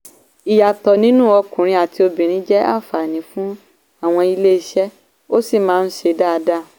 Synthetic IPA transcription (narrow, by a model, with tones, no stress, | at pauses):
i˨ja˨tɔ˨nĩ˦nũ˦˨ɔ˧kũ˨ɾ̃ĩ˧a˨ti˧o˧bĩ˨ɾ̃ĩ˨˦d͡ʒɛ˦a̰˦˨fa˨nĩ˨˦fũ˦ | a˦˨w̃ɔ̃˧i˧le˦i˧ʃɛ˦ | o˦si˦˨mãː˦n̩˦ʃe˧da˦˧da˦˨